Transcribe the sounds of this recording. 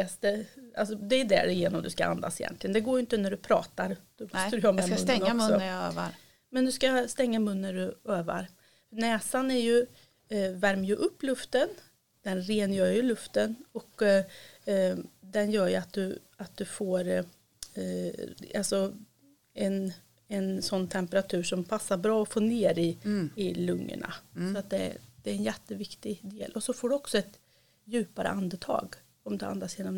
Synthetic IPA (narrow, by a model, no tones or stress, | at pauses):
ɛst̪əa̰lsɔd̪ɛːd̪æ̰ɖɛjeːnɔmd̪ɵska̰a̰nd̪a̰sɪjɛ̰nt̪lɪɡənd̪ɛɡoːjʏɪnt̪ənæɖɵpʰɾɑ̰ːt̪aɾd̪̥ɔmɔsəɾɵhɑːmɛmnakmsɔjø̰ːva̰ɾ | mɛnd̪ɵskast̪ɛŋːamɵnːæɖɵøːva̰ɾ | fœɳɛːsanæɾjɵ | væɾmjɵʔɵpːlɵft̪ən | d̪̥ɛnɾeːnjœːɾjɵlɵft̪ənɔkː | d̪ɛnjœːɾjɵat̪̚d̪ɵ | at̪̚d̪ɵfoːɾ | alsɔ | ɛn | ɛnsɔnːt̪ʰɛmpəɾat̪ʰʉ̟ːʂɔmpʰasːaɾbɾɑːɔfoːneːɾɪɪlɵŋːə̰ɳa̰sɔat̪̚d̪ɛ̰d̪̥ɛːɾɛnjɛt̪ːəvɪkt̪ɪd̪eːlʔɔsɔfoːɖɵɔksɔɛt̪ | jʉ̟ːpaɾə̰ʔand̪ət̪ʰɑ̰ːɡ | ɔmd̪ɛa̰nd̪asjeːnɔm